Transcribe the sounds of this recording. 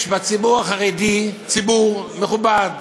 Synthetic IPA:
ʃbat͡sibuʁaχaʁedit͡sibuʁmeχubad

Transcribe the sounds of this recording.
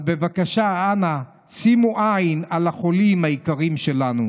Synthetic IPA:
be̞vakaʃaana | simuʔajinalaχo̞limhaikaʁimʃe̞lanu

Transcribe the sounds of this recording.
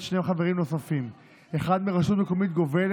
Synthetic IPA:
ʃneχaveʁimno̞safim | eχad̪meʁaʃut̪mekomit̪̚ɡo̞vel

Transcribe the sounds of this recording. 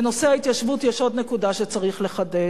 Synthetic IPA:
eno̞seait̪jaʃvutjɛʃo̞d̪ne̞kudaʃet͡saʁiχle̞χade

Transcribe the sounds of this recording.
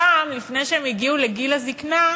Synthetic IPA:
aːmlifnejʃeemjiɡiuleɡilazikna

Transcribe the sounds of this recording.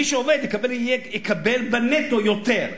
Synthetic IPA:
iʃeoved̪jekabeljejekabelbenet̪ojot̪eʁ

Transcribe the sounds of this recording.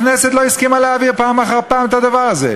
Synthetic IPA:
neset̪loiskimaleaviʁpaːmaχaʁpaːmet̪ad̪avaʁazḛ

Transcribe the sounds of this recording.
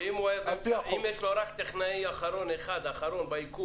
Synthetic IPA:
imuimjeʃloɾakt̪eχnaiaχaɾo̞neχad̪aχaɾo̞nbaiku

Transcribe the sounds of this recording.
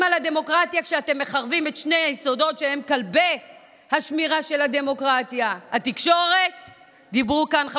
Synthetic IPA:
malade̞mo̞kʁatjakʃeate̞mːe̞χaʁvimetʃne̞jajiso̞do̞tʃehe̞mkalbej | haʃmiʁaʃe̞lade̞mo̞kʁat̪jahatikʃo̞ʁe̞t | d̪ibʁukanχ

